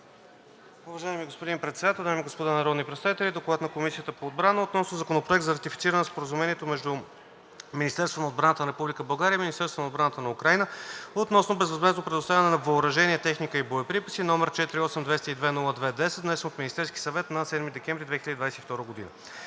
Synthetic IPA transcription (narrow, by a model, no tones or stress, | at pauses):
ʊvɐʒaɛmiɡospod̪impɾɛt̪sɛd̪at̪ɛlˠd̪ajmiɡospod̪anɐɾɔd̪nipɾɛt̪savit̪ɛlʲid̪oklˠat̪nɐkomisijət̪əpoːd̪̚bɾanəot̪nɔsnozɐkonopɾoɛk̚t̪zəɾɐt̪ifit̪siɾənɛspoɾəzumɛniɛt̪omɛʒd̪u | minist̪ɛɾst̪vonəod̪bɾant̪ənɐɾɛpublʲikəbɐlˠɡaɾiəiminist̪ɛɾst̪vonod̪bɾanət̪ənɐukɾajnəot̪nɔsnobɛzvɐzmɛznopɾɛd̪ost̪avʲɐnɛnɐvɐːɾɐʒɛniɛt̪ɛxnikəiboɛpɾipisinɔmɛɾt͡ʃɛt̪iɾiɔsɛmd̪vɛst̪id̪vɛnulˠəd̪vɛd̪ɛsɛt̪d̪nɛsɛnot̪mʲinist̪ɛɾskʲi̥sɐvɛt̪nɐsɛd̪mid̪ɛkʲɛmvɾʲid̪vɛxiləd̪id̪vajsɛt̪ift̪ɔɾəɡod̪ḭnə̰